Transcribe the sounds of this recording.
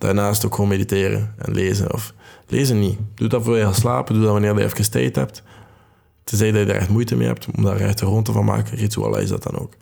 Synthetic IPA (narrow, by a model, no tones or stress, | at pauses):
d̥a̰ːrnaːstokxoːmediteːrə̰ɛ̰nleːzə̰nɔfleːzənːid̥udɑvoːrdɛjalˠslaːpədudɑʋɑnɪːrdɛjɛfkəstɛːjthɛp̚t | təzɛjdɑtjədarɛ̰xtmujtəmḛːhɛ̰p̚tɔmdaːrɛxtərontəvɑnma̰ːkəritsṵɑ̰l̰ˠɪ̰zdɑt̚ɑno̰ːk